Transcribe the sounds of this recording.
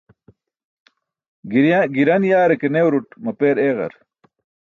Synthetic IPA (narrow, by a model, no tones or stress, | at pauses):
ɡɾɡiɾɐnjaːɾekenewɾuʈmɐpeːɾeːʁɐ̰ɾ